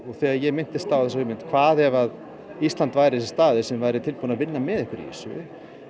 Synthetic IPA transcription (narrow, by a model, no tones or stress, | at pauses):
ɔɣθɛɣaðjɛɣmɪn̥t̪ɪst̪awθɛs̬avɪmɪnt̪kʰvaːðɛvað | ist̪lant̪vaːjɾɪsɪst̪aːðɪsɛmvaːjɾɪt̪ʰɪlponaðvɪnːamɛðɛhkvɪɾḭsʏ̰